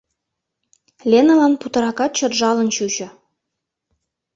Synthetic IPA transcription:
lʲenə̆lɑnput̪ɤ̆ɾɑkɑt̪̚t͡ɕɤ̆t̪ʒɑlɤ̆nɕuɕɤ̆

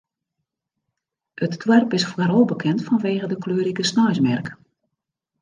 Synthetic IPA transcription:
ətdwɛrpɪsfwaɾolˠbəkʰɛntfɔnʋeːɣədəkløːɾikəsnɔjsmɛrk

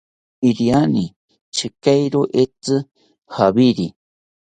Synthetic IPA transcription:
iɾiani | t͡ʃʰɨkajɾoʔet͡sɨ | haβiɾi

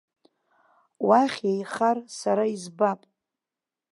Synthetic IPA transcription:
waχʲejχarsaɾaizbapʼ

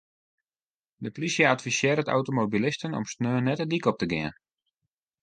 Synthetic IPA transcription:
dəplisjəatfisɪəɾəta̰wtomobilɪstənɔ̰msnøːnɛtədikɔp̚təɡɪən

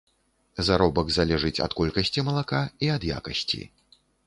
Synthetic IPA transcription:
zaɾɔbɐɡzalʲɛʐɨt͡sʲɐ̰t̪kɔlʲkɐsʲt͡sʲimɐlˠakaiɐd̪ja̰kɐsʲt͡sʲḭ

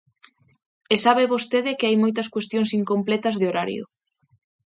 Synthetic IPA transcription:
esaβeβost̪eðɪkeajmojt̪ɐskwest̪jõŋsiŋkomplɛt̪ɐzðeoɾaɾjʊ̰

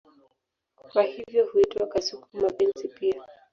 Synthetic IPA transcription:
kwahivjɔhuitwakasukumapɛnzipia

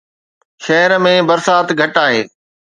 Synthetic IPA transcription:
ʃɐɦəɾmẽbɐɾsaːt̪ɡʱɐʈaːɦeː

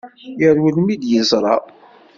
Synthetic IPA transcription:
jəɾwəlmid̪jəzˤɾˤɑ̰

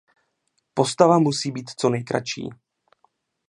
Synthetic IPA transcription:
po̞st̪avamusiːbiːt̪t͡so̞nɛjkɾa̰t͡ʃḭː

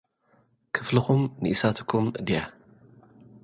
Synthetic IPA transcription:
kʰɨflɨxumnɨʔisat̪ʰɨ̥kʰumɨd̪ija

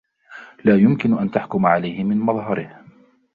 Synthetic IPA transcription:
laːjʊmkɪnʊʔant̪aħkʊmaʕalajhɪmɪnmɑðˤɦɑɾɪh

